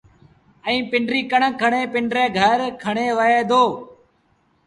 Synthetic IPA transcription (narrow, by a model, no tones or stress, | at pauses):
ə̃ĩːpɪɳɖɾiːkəɳəkʰəɳeːpɪɳɖɾeːɡʱəɾkʰəɳeːʋəeːd̪oː